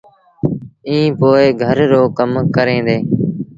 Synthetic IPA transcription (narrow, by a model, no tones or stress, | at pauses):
ĩːpoːeːɡʱəɾːoːkəmkəɾẽːd̪eː